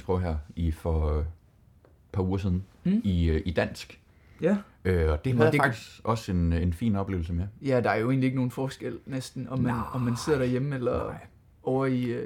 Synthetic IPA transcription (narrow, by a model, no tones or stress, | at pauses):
sb̥ʰɔʊ̰ɦæɐ̰ifɒ̽ | pʰɑ̈uːɐs̬ið̞ˠn̩ | iid̥æn̰sɡ̥ | øɒ̽d̥e̝æ̥ɑ̈ɡ̥̚d̥ʰisɡɒ̽se̝ne̝nfḭːnɒ̽b̥le̝̰ʊl̩səmejæd̥ɑ̈æɐjo̝e̝̰ːnlieɡ̥əno̝ːn̩fɒːsɡ̥el̰nesd̥n̩ɒ̽mːænɒ̽mːænse̝ð̰ɐɾ̥æɐjeməelɐ | ɒʊɐi